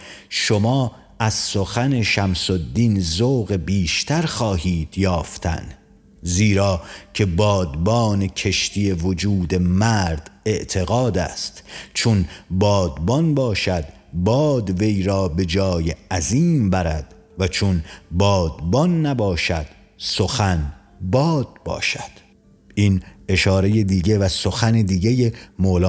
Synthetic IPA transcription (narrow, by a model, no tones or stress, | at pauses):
ʃomɒː | æz̥soxæne̞ʃæmsod̪ːinzoːɣe̞biːʃt̪ʰæɾxɒːɦiːd̪̥jɒːft̪ʰæ̰n | ziːɾɒːcʰe̞bɒːd̪bɒːnekʰe̞ʃt̪ije̞vod͡ʒuːd̪e̞mæɾd̪̥e̞ʔt̪ʰe̞ɣɒːd̪æ̰ːst̪t͡ʃʰonbɒːd̪bɒnbɒːʃæd̪ | bɒːd̪ve̞jɾɒːbe̞d͡ʒɒːjeæziːmbæɾæd̪̥ | væt͡ʃʰonbɒːd̪bɒnːæbɒːʃæd̪̥ | so̞xæn | bɒːd̪̚bɒ̰ːʃæd̪̥ | ine̞ʃɒːɾe̞jed̪iːɟevæsoxæned̪iːɟejemoːlɒː